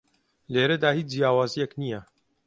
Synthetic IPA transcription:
leːɾɐd̪aːhiːt͡ʃd͡ʒjaːwaːzijɛknijɐ

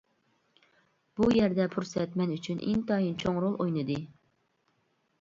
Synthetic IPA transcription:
b̥ujɛɾd̪ɛpʰuɾsɛt̪mɛnyt͡ʃʰynʔɪ̰ŋt̪ʰɑjint͡ʃʰoŋɾolˠojnɨd̪ɨ

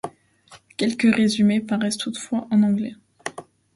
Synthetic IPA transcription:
kʲɛlkəʁezymepaʁɛst̪ʰut̪fwaʔɑ̃nɑ̃ɡlɛ

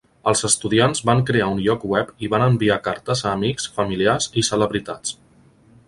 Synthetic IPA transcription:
əlˠzəst̪uðianzβaŋkɾeaunʎɔkwɛpiβanəmbiakaɾt̪əzəːmiksfəmiliazisələβɾit̪at͡s

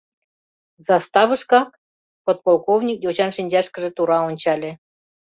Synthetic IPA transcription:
zɑst̪ɑβə̆ʃkɑk̚ | pot̪̚polˠkovnʲik̚dʲot͡ɕɑnʃinʲd͡ʑɑʃkə̆ʒĕt̪uɾɑonʲt͡ɕɑlʲĕ

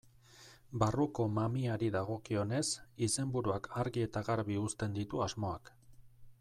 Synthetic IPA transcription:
baruko̞mamiaɾiðaɣo̞kio̞ne̞sise̞mbuɾuakʰaɾɣie̞t̪aɣaɾβiust̪e̞nd̪it̪uazmo̞ak

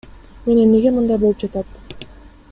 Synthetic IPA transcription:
mene̞mne̞ɡemɯnd̪ɑjbo̞lˠup̚d͡ʒɑt̪ɑt̪

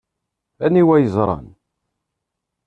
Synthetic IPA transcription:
æniwæjəzˤɾˤɑ̰n

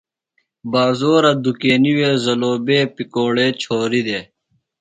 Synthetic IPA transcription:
baːzoːɾɐd̪ukeːniweːzɐloːbeːpikoːɽeːt͡ɕʰoːɾid̪eː

